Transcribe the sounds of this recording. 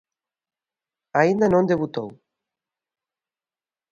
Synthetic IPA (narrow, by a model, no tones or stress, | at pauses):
aind̪anõnd̪eβut̪ow